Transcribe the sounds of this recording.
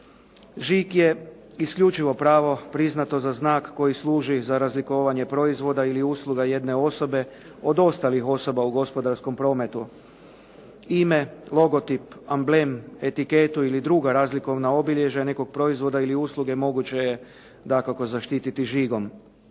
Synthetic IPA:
ʒikje̞ | iskʎut͡ʃiʋo̞pɾaːʋo̞pɾiznat̪o̞zaznaːkːo̞jislˠuːʒizaɾazlikoʋaɲe̞pɾo̞izʋo̞d̪ailiuːslˠuɡaje̞d̪ne̞o̞so̞be̞ | o̞d̪o̞st̪alixo̞so̞bauɡo̞spo̞d̪aɾsko̞mpɾo̞ːme̞t̪u | ime̞lo̞ɡo̞t̪ipambleme̞t̪ike̞t̪uilid̪ɾuɡaɾaːzliko̞ʋnao̞biʎeʒane̞ko̞ɡ̚pɾo̞izʋo̞d̪ailiuːslˠuɡe̞mo̞ɡut͡ɕe̞je | d̪akako̞zaʃt̪it̪it̪iʒiɡo̞m

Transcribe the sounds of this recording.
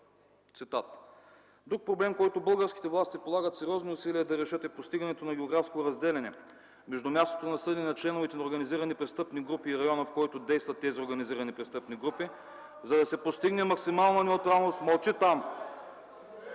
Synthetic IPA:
t̪sit̪at̪ | d̪ɾuk̚pɾoblɛmkɔjt̪obɤlˠɡəɾsk̟i̥t̪ɛvlˠast̪ipolˠaɡət̪sɛɾiɔznoʊsiliɛd̪ɐɾɛʃɤt̪ɛpost̪iɡɐnɛt̪onɐɡʲɛoɡɾafskot̪oɾɐzd̪ɛlɛnɛ | mɛʒd̪ʊmʲjast̪o̥t̪onɐsɤd̪ɛnɛnɐt͡ʃlɛnoʊvit̪ɛnɐoɾɡɐniziɾɐnipɾɛst̪ɤpniɡɾupiːɾɐjɔnɐəfkɔjt̪od̪ɛjst̪vɐt̪ːɛzioɾɡɐniziɾɐnipɾɛst̪ɤpniɡɾupi | zɐd̪ɐsɛpost̪iɡnɛmɐksimalˠnɐnɛut̪ɾalˠnost̪mɐlˠt͡ʃit̪am

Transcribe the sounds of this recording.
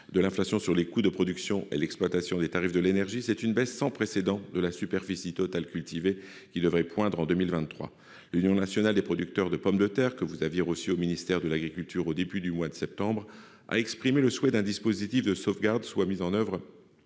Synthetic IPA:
d̪əlɛ̃flasjɔ̃syʁlekud̪əpχɔd̪yksjɔ̃ʔḛlɛksplwat̪asjɔ̃d̪et̪aʁifd̪əlenɛʁʒisɛt̪ynbɛsːɑ̃pχesed̪ɑ̃d̪əlasypɛʁfisit̪ɔt̪alkʲylt̪ive | kʲid̪əvʁɛpwɛ̃d̪ʁɑ̃d̪ømilvɛ̃nχwa̰ | lynjɔ̃nasjɔnald̪epχɔd̪yk̚t̪œʁd̪əpɔmd̪ət̪ɛʁkəvuzavjeʁosiominist̪ɛʁd̪əlaɡʁikʲylt̪yʁod̪ebyd̪ymwad̪əsɛp̚t̪ɑ̃bʁ | a̰ɛkspχimeləswɛd̪ɛ̃d̪ispozit̪ifd̪əsofɡaʁd̪swamizɑ̃nœvʁ

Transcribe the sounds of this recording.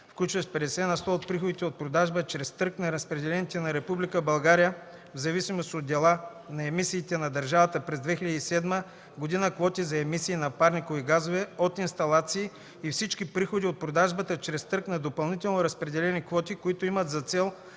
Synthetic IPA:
fklʲut͡ʃvɐʃpɛd̪ɛsɛnɐst̪ɔot̪̚pɾixod̪it̪ɛot̪̚pɾod̪aʒbət͡ʃɾɛst̪ɤɾknɐɾəspɾɛd̪ɛlɛnit̪ɛnɐɾɛpublikəbɐlˠɡaɾijə | vzɐvisimost̪od̪̚d̪ɛlˠa | nɐɛmisiːt̪ɛnɐd̪ɐɾʒavɐt̪əpɾɛzd̪vɛxiləd̪iisɛd̪mə | ɡod̪inəkvɔt̪izɐɛmisiːnɐpaɾnikoviɡazovɛot̪inst̪ɐlˠat̪siː | ifsit͡ʃkipɾixod̪iot̪̚pɾod̪aʒbət̪ət͡ʃɾɛst̪ɤɾknɐd̪opɐlˠnit̪ɛlˠnoɾɐspɾɛd̪ɛlɛnikvɔt̪ikoit̪oimət̪zɐt̪sɛlˠ

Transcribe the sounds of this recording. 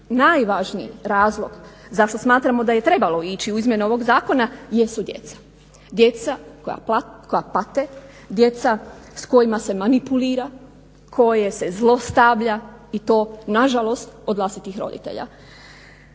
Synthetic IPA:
najʋaːʒnḭɾaːzlˠo̞̰ɡ̥zaʃt̪o̞smaːt̪ɾamo̞d̪aje̞t̪ɾe̞balo̞iːt͡ɕiuizmje̞nuo̞ʋo̞ɡzaːko̞najesud̪je̞̰t̪sḁ | d̪je̞t̪sakoja̰kojapat̪e̞ | d̪je̞t̪sasko̞jimase̞manipuliːɾa | kʰo̞je̞se̞zlˠo̞st̪aʋʎait̪o̞ːnaʒalo̞st̪o̞d̪ʋlˠast̪it̪ixɾo̞̰d̪ḭt̪ḛʎa̰

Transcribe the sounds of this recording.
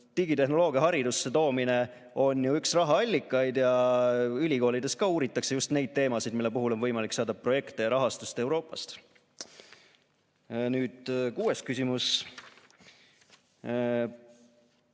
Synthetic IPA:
t̪iɡit̪e̞ɦno̞lo̞ːɡ̥iɑɦɑɾid̪usːe̞t̪o̞ːmine̞ | o̞njuyksrɑɦɑɑlʲːikːˑɑjd̪jɑ | ylʲiko̞ːlid̪e̞skɑːuːɾit̪ːˑɑkse̞just̪ne̞jd̪̚t̪ːe̞ːmɑsid̪milːe̞puɦulo̞nvɤ̞jmɑliksɑːd̪̥ɑpro̞je̞kt̪e̞jɑɾɑɦɑst̪ust̪e̞wɾo̞ːpˑːɑst̪ | nyːd̪̥kuːe̞st̪kysʲimus

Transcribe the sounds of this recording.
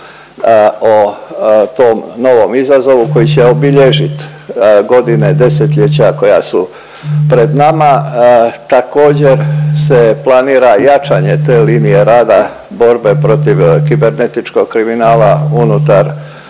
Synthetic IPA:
o | t̪oːmno̞ʋo̞mizazo̞ʋuko̞jit͡ɕeobiʎeʒit̪ | ɡo̞d̪ine̞d̪e̞set̪ʎet͡ɕako̞jasu | pɾe̞d̪nama | t̪ako̞ːd͡ʑe̞ɾse̞plˠaniːɾajat͡ʃaɲe̞t̪e̞ːliːnije̞ɾaːd̪a | bo̞ɾbe̞pɾo̞t̪iʋkibe̞ɾne̞t̪it͡ʃko̞ɡ̥kɾiminaːlaunut̪aɾ

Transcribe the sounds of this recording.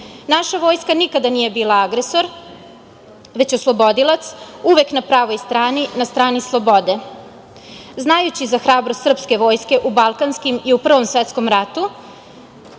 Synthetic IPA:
naʃaʋo̞ːjskanikad̪anije̞biːlˠaaɡɾe̞so̞ɾ | ʋe̞t͡ɕoslˠo̞bo̞d̪ilat̪suʋe̞knapɾaːʋo̞jst̪ɾaːninast̪ɾaːnislˠo̞bo̞d̪e̞ | znajut͡ɕizaxɾaːbɾost̪ːr̩pske̞ʋo̞ːjske̞ʔubalˠkanskimiupr̩ʋo̞msʋet̪sko̞mɾat̪u

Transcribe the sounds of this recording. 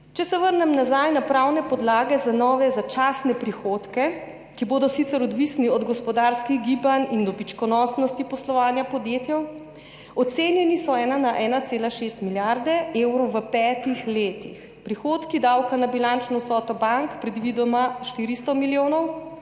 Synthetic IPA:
t͡ʃɛsɛʋəɾnɛmnazajnapɾawnɛpɔd̪laːɡɛzanɔːʋɛzat͡ʃasnɛpɾixoːt̪kɛ | kiboːd̪ɔsit̪sɛɾɔd̪ʋisniɔd̪ɡɔspɔd̪aɾskiɣɡiːbanind̪ɔbit͡ʃkɔnɔsnɔst̪ipɔslɔʋaːnjapɔd̪jeːt̪jɛw | ɔt̪seːnjɛnisɔɛːnanaʔɛːnat̪seːlaʃeːst̪miljaɾd̪ɛewɾɔʋəpɛːt̪ixleːt̪ix | pɾixoːt̪kid̪awkanabilant͡ʃnɔsɔːt̪ɔbaŋkpɾɛd̪ʋiːd̪ɔmaʃt̪iːɾist̪ɔmiljoːnɔw

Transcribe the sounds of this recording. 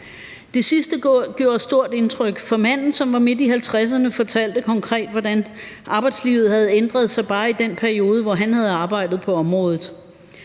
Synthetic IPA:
d̥e̝sisd̥əɡ̥jo̝̰ːɐsd̥o̝ɐ̰d̥e̝nt͡sʰʁœɡ̥fɒ̽mæn̰n̩sɒ̽mʋɑ̈me̝d̥iɦælt͡sʰʁas̬ɐnəfɒ̽t͡sʰæl̰d̥əkʰɒ̽ŋkʰʁɛ̰ːd̥ʋɒdænʔɑ̈ːb̥ɑ̈ɪd̥slḭːʊð̞̩ˠhæð̞̩ˠend̥ʁɐð̞ˠsɑ̈ɪb̥ɑ̈ːid̥enpʰæɐio̝ːð̞ˠəʋɒɦænhæð̞ˠɑ̈ːb̥ɑ̈ɪd̥ð̩ˠpʰɒ̽ɒ̽mʁɔ̽ːðˠð̩ˠ

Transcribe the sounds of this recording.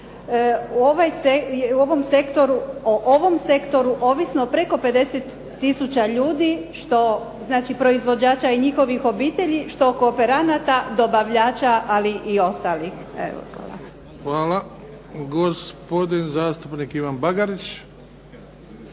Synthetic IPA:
uoʋajsejeuo̞ʋo̞mse̞kt̪o̞ɾuoʔoʋo̞mse̞kt̪o̞ɾuʔo̞ːʋisnopɾe̞ko̞pe̞d̪e̞set̪ː | isut͡ɕaʎuːd̪iʃt̪o̞ | znaːt͡ʃipɾo̞izʋo̞d͡ʑaːt͡ʃaiɲixo̞ʋixo̞biːt̪e̞ʎiʃt̪o̞koːpe̞ɾanat̪ad̪o̞baʋʎaːt͡ʃaʔaliʔio̞st̪alixḛo̰xa̰ːlˠa̰ | xʋaːla | ɡospo̞d̪inzaːst̪upnikiʋanbaɡaɾit͡ʃ

